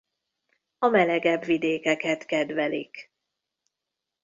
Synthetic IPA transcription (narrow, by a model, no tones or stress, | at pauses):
ɒmɛlɛɡɛbvid̪eːkɛkɛt̪kɛd̪vɛlḭk